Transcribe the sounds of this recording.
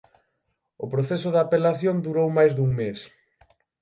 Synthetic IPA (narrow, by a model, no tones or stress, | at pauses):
ʊpɾoθesʊðapelaθjond̪uɾowmajzðuŋmes